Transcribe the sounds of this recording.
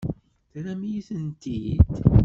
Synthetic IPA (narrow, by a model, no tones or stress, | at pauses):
θæɾæmijiθənt̪id̪